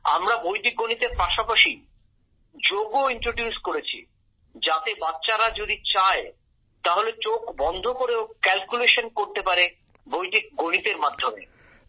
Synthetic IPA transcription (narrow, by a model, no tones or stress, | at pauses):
a̰mɾabojʈik̚ɡonit̪eɾpaʃapaʃi | d͡ʑoɡoiɳʈɾoɖjuskoɾet͡ɕʰḭ | d͡ʑat̪ebatːɕaɾad͡ʑod̪it͡ɕae | t̪aɦolet͡ɕokbɔnd̪ʱokoɾeokɛlkuleʃonkoɾt̪epaɾe | bojʈik̚ɡonit̪eɾmad̪ʱomḛ